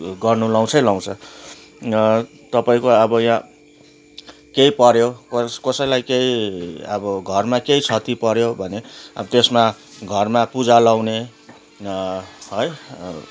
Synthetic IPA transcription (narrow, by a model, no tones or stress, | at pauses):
ɡʌrnulaw̃t͡sʰʌjlaw̃t͡sʰʌ | t̪ʌpaĩkoʌbʌjã | kejpʌɾjokkʌsʌjlajkeiʌbʌɡʱʌrmakejt͡sʰʌt̪ipʌɾjobʱʌneʌbʌt̪esmaɡʱʌrmapud͡zalaw̃ne | ɦʌj